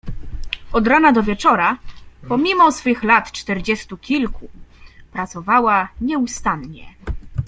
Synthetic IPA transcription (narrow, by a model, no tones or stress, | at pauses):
ɔd̪ɾanad̪ɔvʲjɛt͡ʂɔɾapɔmʲimɔsfɘxlat̪t͡ʂt̪ɛɾd͡ʑɛst̪ukʲilkupɾat̪sɔvawaɲɛust̪anɲɛ̰